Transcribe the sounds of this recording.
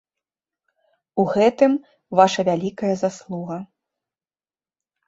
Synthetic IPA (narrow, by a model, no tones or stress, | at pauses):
uɣɛt̪ɨm | vaʂɐvʲalʲikɐjɐzaslˠuɣɐ